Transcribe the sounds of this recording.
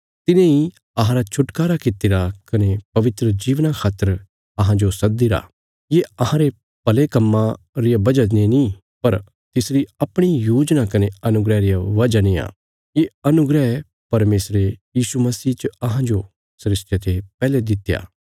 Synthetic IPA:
t̪ɪnẽi | ɐɦãɾat͡ʃʰʊʈkaːɾakɪt̪ːiɾakɐnepɐʋɪt̪ɾəd͡ʒiːʋnakʰaːt̪ːəɾ | ɐɦãd͡ʒosɐd̪iɾa̰ː | jeɐɦãɾe | pɐlekɐmːã | ɾɪjabɐd͡ʒaẽni | pɐɾ | t̪ɪsɾiɐpɽ̃ijoːd͡ʒnakɐneɐnʊɡɾɛɾɪjaʋɐd͡ʒania̰ː | jeɐnʊɡɾɛɛ | pɐɾmeːsɾejiːsumɐsiːt͡ʃəɐɦãd͡ʒo | sɾɪsʈet̪epɛːled̪ɪt̪ːja̰ː

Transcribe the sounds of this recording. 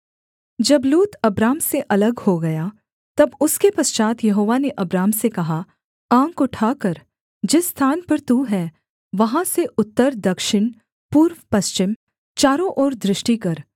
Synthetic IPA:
d͡ʒɐbluːt̪ɐbɾaːmseʔɐləɡhoɡɐja | t̪ɐbʊskepɐst͡ʃaːt̪jɐɦoːʋaneʔɐbɾaːmsekɐɦa | ãːkʊʈʰaːkɐɾ | d͡ʒɪsːt̪ʰaːnpɐɾt̪uɦɛː | ʋɐɦãseʔʊt̪ːəɾd̪ɐkʃɪɳ | puːɾʋpɐst͡ʃɪm | t͡ʃaːɾõʔɔːɾd̪ɾɪʃʈikɐɾ

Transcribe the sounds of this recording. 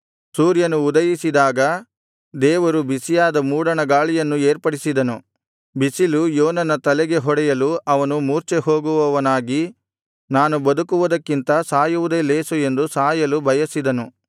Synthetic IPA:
suːɾjɐnuːd̪ɐjisid̪aːɡɐ | d̪ɛːʋɐɾubisijaːd̪ɐmuːɽɐɳɐɡaːɭijɐnːueːɾpɐɽisid̪ɐnu | bisilujoːnɐnɐt̪ɐlɛɡe̞ɦɔɽɛjɐluʔɐʋɐnumuːɾt͡ʃeɦo̞ːɡuʋɐʋɐnaːɡi | naːnubɐd̪ukuʋud̪ɐkːint̪ɐsaːjuʋud̪eleːsue̞nd̪usaːjɐlubʱɐjɐsid̪ɐnu

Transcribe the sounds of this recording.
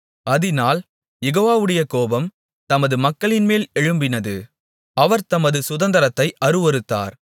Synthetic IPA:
ɐðɪnaːl | jɛɣoːʋaːʋɯɽɐjɐkoːbɐm | t̪ɐmɐðɯmɐkːɐɭɪnmeːlɛɻɯmbɪnɐðɯ | ɐʋɐɾt̪ɐmɐðɯsʊðɐnd̪ɐɾɐt̪ːɐɪʔɐɾɯʋɐɾɯt̪ːa̰ːɾ

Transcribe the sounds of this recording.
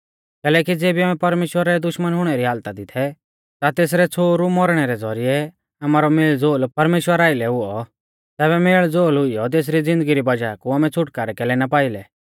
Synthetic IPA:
kɛːlɛːkid͡zeːbiamɛpɐɾmeːʃwəɾɛd̪ʊʃmənɦʊɽ̃ɛɾiɦaːlt̪ad̪ɪt̪ʰɛ | t̪at̪eːs̬ɾɛt͡sʰoːɾumɔɾɽ̃ɛɾɛd͡zɔɾijɛ | ɐmaːɾɔmeːɭd͡zoːlpɐɾmeːʃwəɾaːɪlɛɦʊɔ | t̪ɛːbɛmeːɭd͡zoːlɦʊɪjɔt̪̬eːs̬ɾid͡zɪ̃nd̪əɡiɾibɐd͡ʒaːkuamɛt͡sʰʊʈkaɾɛkɛːlɛnapaːɪlɛ

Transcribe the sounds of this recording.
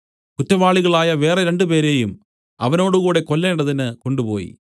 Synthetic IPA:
kutːɐʋaːɭiɣɐɭaːjɐʋe̞ːreɾe̞ɳɖupe̞ːɾe̞ːjum | ɐʋɐno̞ːɽuɣuːɽe̞kolːeːɳɖɐðinɨko̞ɳɖupo̞̰ːjḭ

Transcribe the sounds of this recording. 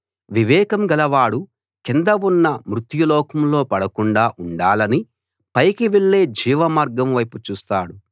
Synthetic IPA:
ʋiʋɛːkɐmɡɐlɐʋaːɽu | kind̪ɐʋunːɐmɾut̪julɔːkɐmlo̞ːpɐɽɐkuɳɖaːʔuɳɖaːlɐni | pɐjkiʋeɭːe̞ːd͡ʒiːʋɐmaːɾɡɐmʋɐjput͡ʃuːst̪aːɽu

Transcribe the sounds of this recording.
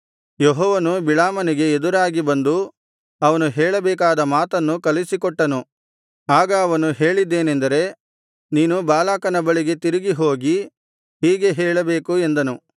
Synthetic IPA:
jeɦɔːʋɐnubiɭaːmɐniɡe̞ːd̪uɾaːɡibɐnd̪u | ɐʋɐnuɦɛːɭɐbɛːkaːd̪ɐmaːt̪ɐnːukɐlisikɔʈːɐnu | aːɡɐːʋɐnuɦeːɭid̪ːe̞ːnend̪ɐɾe̞ | niːnubaːlaːkɐnɐbɐɭiɡe̞t̪iɾiɡiɦo̞ːɡi | hiːɡe̞ɦɛːɭɐbe̞ːkue̞nd̪ɐnu

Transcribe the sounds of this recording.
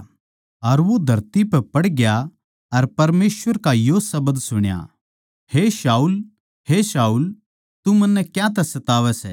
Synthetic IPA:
ɐɾʋod̪ʱɐɾt̪ipɛpɐɽɡja | ɐɾpɐɾmeːsʋəɾkajosɐbəd̪sʊɽ̃ja̰ | heʃaːuːl | hesaːuːl | t̪umɐ̃nːɛkjãt̪ɛsɐt̪aːʋɛsɛ̰

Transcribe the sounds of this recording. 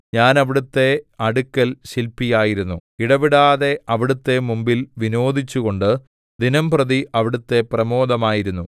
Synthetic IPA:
ɲaːnɐʋiɽut̪ːe̞ɐɽukːɐlɕilpːijaːjiɾunːuiɽɐʋiɽaːðe̞ɐʋiɽut̪ːe̞mumbilʋinoːd̪ʱit͡ɕːuɣo̞ɳɖɨ | d̪inɐmprɐðiʔɐʋiɽut̪ːe̞prɐmo̞ːd̪ɐmaːjiɾunːu

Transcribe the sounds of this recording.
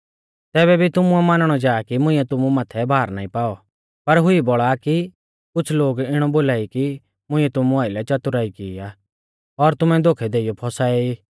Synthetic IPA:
t̪ɛːβɛbʱit̪ʊmũɛmanəɽ̃ɔd͡ʒaːkimʊ̃ɪ̃ːɛt̪ʊmũmaːt̪ʰɛbʱaːɾna̰ːĩpaːɔ | pɐɾɦʊibɔɭaki | kʊt͡ʃʰloːɡɪɽ̃ɔboːlaːiki | mʊ̃ɪ̃ːɛt̪ʊmũaːɪlɛt͡ʃɐt̪ʊɾaːikiːaː | ɔɾt̪ʊmɛ̃d̪oːkʰɛd̪eːɪjɔpʰɔsaːɛiː

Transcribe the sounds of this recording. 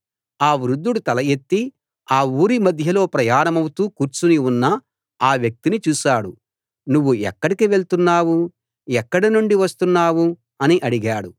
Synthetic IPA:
aːʋɾud̪ːuɽut̪ɐlɐjet̪ːi | aːuːɾimɐd̪ʱjɐlo̞ːpɾɐjaːɾɐmɐwut̪uːkuːɾt͡ʃuniunːɐ | aːʋjɐk̚t̪init͡ʃuːʃaːɽu | nuʋːuɛ̰kːɐɽikiʋe̞ɭt̪unːaːwu | ɛkːɐɽɐnuɳɖiʋɐst̪unːaːwu | ɐniʔɐɽiɡaːɽu

